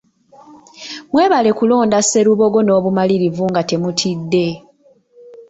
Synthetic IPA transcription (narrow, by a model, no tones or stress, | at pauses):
mwe̞ːβale̞kulo̞ːndase̞ɾuβo̞ɡo̞no̞ːβumaliɾivuŋɡate̞mutʰidːe̞